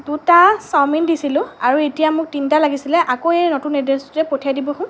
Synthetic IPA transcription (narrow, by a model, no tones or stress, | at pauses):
dutasamindisilʊ̃aɹuetijamʊk̚tintalaɡisilɛʔakoenɔtunɛdestʊtɛpotʰijadibɔɦʊ̃